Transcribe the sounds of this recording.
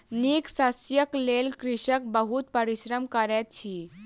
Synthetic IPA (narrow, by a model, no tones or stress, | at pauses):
niksəsjəklelkɾiʃək̚bəɦut̪̚pəɾiɕɾəmkəɾɛt̪̚t͡ʃʰi